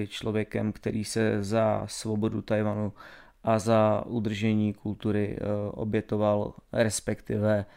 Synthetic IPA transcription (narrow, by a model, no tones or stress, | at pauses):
ɪt͡ʃlo̞vjɛkɛmkt̪ɛɾiːsɛzasvo̞bo̞dut̪ajvanu | ʔazaʔud̪r̩ʒɛɲiːkult̪uɾɪʔo̞̰bjɛt̪o̞valɾɛspɛkt̪ɪvɛ